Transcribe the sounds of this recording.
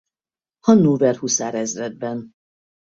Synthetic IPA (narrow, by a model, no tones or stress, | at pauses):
hɒnːuːvɛrhusaːɾɛzrɛd̪̚bɛn